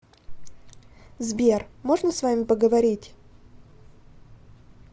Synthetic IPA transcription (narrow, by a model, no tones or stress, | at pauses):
zbʲermo̞ʐnəsvamʲɪpəɡəvɐɾʲitʲ